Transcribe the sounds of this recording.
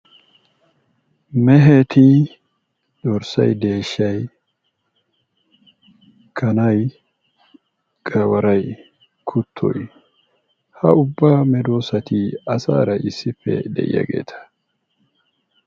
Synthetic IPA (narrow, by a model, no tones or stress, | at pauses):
mɛɦet̪ʰi | d̪ɔɾsɐ̰jd̪e̞ːʃːɐj | kʰɐnɐj | ɡ̥ʼɐwɐɾɐj | kʰʊt̪ʰːɔ̰j | hɐ̰ʊbːaːmɛd̪oːsɐt̪ɪɐsa̰ːɾɐʔɪsːɪfːɛ̰d̪ɛ̰ʔɪ̰jɐ̰ɡeːt̪ʰɐ̥